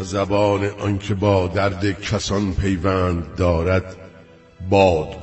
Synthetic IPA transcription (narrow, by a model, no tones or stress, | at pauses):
zæbɒːneʔɒnkʰebɒːd̪æɾd̪ekʰæsɒnpʰe̞jvæːnd̪ːɒːɾæd̪ | bɒːd̪